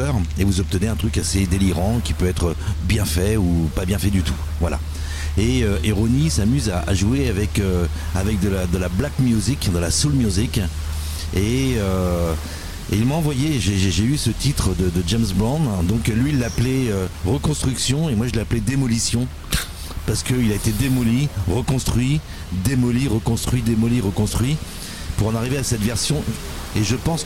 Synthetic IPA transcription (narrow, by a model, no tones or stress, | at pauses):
œʁevuzɔp̚t̪əneɛ̃t̪χykased̪eliʁɑ̃kʲipøɛt̪χəbjɛ̃fɛupabjɛ̃fɛd̪yt̪u̥ | vwala̰ | eøeʁonisamyzaʔa̰ʒueavɛkø | avɛk̚d̪əlad̪əlablakmjuzikd̪əlasulmjuzik | eø | eilmaɑ̃vwajeʒeʒeʒeysət̪ʰit̪χəd̪əd̪əd͡ʒɛmsblɔ̃d̪d̪ɔ̃klɥiːlːaplɛøʁəkɔ̃st̪χyksjɔ̃emwaʒəleaplɛd̪emɔlisjɔ̃ | paʁsə̥kəilaet̪ed̪emɔliʁəkɔ̃st̪χɥi | d̪emɔliʁəkɔ̃st̪χɥid̪emɔliʁəkɔ̃st̪χɥi | puʁɑ̃naʁiveasɛt̪vɛʁsjɔ̃ | eʒəpɑ̃s